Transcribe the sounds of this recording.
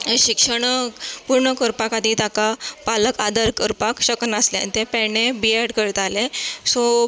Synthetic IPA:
ɕikʂəɳpuɾɳəkəɾpakad̪ʱit̪akapaləkad̪əɾkəɾpakɕəkənaslea̰nt̪epɛɳẽbiɛɽkəɾt̪alesɔ

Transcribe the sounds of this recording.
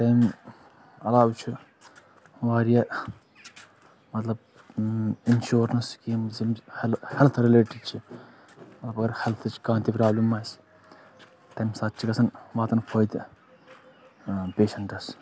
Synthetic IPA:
ʈɐjm | ɐlaːbt͡ʃʰi | ʋaːɾija | mɐt̪lɐb̚ | inʃoːɾnɐskiːmzimhlhelt̪ʰɾileːʈiɖt͡ʃʰi | mɐt̪lɐbɐɡɐɾhelt̪ʰt͡ʃʰi̥kãːnt̪ipɾaːblɐmːaːjsi̥ | ʈɐjmsɐt̪̚ːt͡ʃʰikɐsɐnʋaːt̪ɐnkʰoːjd̪ | peːʃɐɳʈɐs

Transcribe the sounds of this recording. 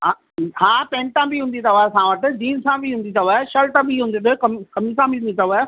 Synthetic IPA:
ɦa | ɦãːpẽːɳʈãbiɦũːnd̪it̪ʰɐʋaːesãːʋəʈɪ̆d͡ʑiːnsãbʱiɦũːn̆d̪it̪ʰɐʋaːeʃɐlt̪abʱiɦũnd̪it̪oekɐmkɐmisãbiɦũnd̪it̪ʰɐʋaːe

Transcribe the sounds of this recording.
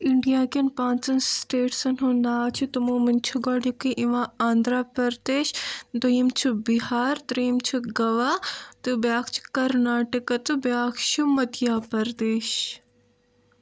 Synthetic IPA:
iɳɖijaːkɐnpãːnt͡sɐnsʈeːʈsɐnɦũːnd̪at͡ʃʰit̪umomɐnt͡ʃʰuɡɐɽjukiʔĩʋãːaːnd̪ɾaːpɐɾd̪eːʃd̪ɐimt͡ʃʰubiɦaːɾt̪ɾiimt͡ʃʰuɡɐʋaːt̪ɨbjaːkt͡ʃʰu̥kɐɾnaːʈɐkɐt̪ɨbjaːkʰt͡ʃʰumɐt̪ijaːpɐɾd̪eːʃ

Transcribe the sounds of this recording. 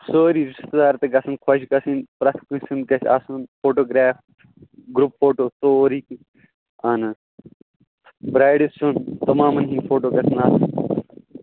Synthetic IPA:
soːɾiɾiʃt̪ɐd̪aːɾt̪eɡɐsɐnkʰɐʃikɐsinpɾɐt̪ʰkusunkɐsa̰sunpʰoːʈoːɡɾaːf | ɡɾupfʰoːʈoːt̪oːɾiki | ɐn | bɾaːjɖisunt̪ɐmaːmɐnɦĩːpʰoːʈoːkɐsinaːsun

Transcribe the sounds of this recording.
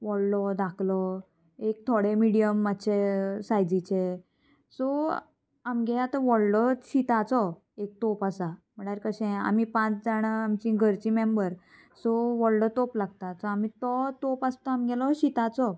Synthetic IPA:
ʋɔɽlɔd̪akʰlɔ | ek̚t̪ʰoɽemiɽijəmːaɕʰesajd͡zit͡ɕe | sɔ | amɡɛlat̪əʋɔɽlɔɕit̪at͡sɔ | ek̚t̪opasam̤əɽ̃aɾkəɕɛ̃a̰mipãt͡sd͡zaɽ̃aamt͡ɕĩɡʱəɾt͡ɕimembəɾ | sɔʋɔɽɖɔt̪oplaɡt̪asɔamit̪ɔt̪opast̪ɔamɡɛlɔɕit̪at͡sɔ

